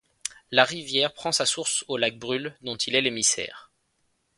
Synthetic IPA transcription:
laʁivjɛʁpχɑ̃sasuʁsolak̚bʁyld̪ɔ̃t̪ʰilɛlemisɛ̰ːʁ

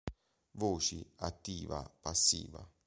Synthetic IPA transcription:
voːt͡ʃiat̪ːiːva̰pasːḭːva

